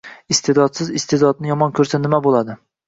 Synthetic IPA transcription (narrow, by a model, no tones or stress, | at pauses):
ɪst̪ʰed̪ɒt̪sɪzɪst̪ed̪ɒd̪̚nɪjɒmɒnkʲʰɵɾsanɪmabolˠad̪ɪ